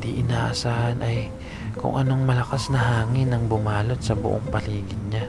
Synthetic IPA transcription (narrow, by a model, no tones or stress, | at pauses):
d̪iʔɪnaːʔɐsaːhɐnʔɐj | kʊ̰ŋʔɐno̞ŋmɐlɐkasnɐɦaːŋɪnːɐŋbʊmaːlo̞t̪̚sɐbʊ̰ʔoŋpɐliːɡɪnɲa